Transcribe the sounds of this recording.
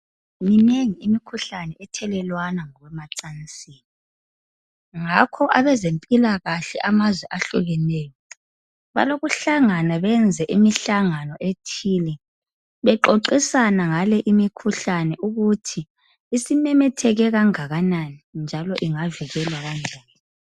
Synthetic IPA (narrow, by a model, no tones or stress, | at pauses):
nineŋiimikʰuɬanɛɛtʰɛlɛlwanaŋɔɣwɛmaǀant͡sʼiːni | ŋakʰɔʔaβɛzempʼilaɣaɬɛʔamazwɛʔaɬuɣɛnɛːjɔ | βa̰loɣuɬaŋanaβɛnd͡zʱɛʔimiɬaŋanɔʔetʰiːlɛ | βɛǃoǃisanaŋalɛʔimikʰuɬanɛʔuɣutʰiː | simɛmɛtʰɛɣɛɣaŋaɣananind͡ʒʱalɔʔiŋaviɣɛlwaɣand͡ʒʱaːla